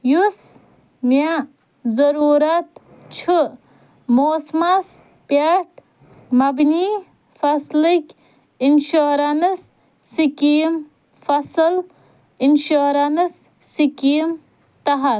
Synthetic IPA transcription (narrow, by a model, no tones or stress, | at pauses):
jus | mja | zɐɾuːɾɐt̪ | t͡ʃʰu | moːsmas | pjaʈ̚ | mɐbni | fʰɐslikʲ | inʃoɾanɐsː | ikijm | fʰɐsɐl | inʃoːɾanɐsː | ikijm | t̪ɐɦɐ